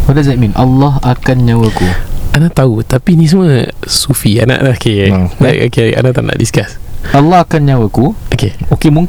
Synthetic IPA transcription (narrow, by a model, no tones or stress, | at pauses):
hadazaminʔalːɔɦakanɲãwəkuanaʔt̪aut̪apinĩs̬əməsufianã̰ʔlahkela̰o̰kea̰nãʔt̪aʔna̰ʔdiskasalːɔɦakanɲãwakuokeokemũŋ